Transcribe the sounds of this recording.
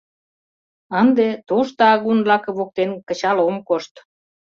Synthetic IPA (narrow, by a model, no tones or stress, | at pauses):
ənd̪et̪oʃt̪ɑɑɣunblɑkɤβok̚t̪enkə̆t͡ɕɑlomkoʃt̪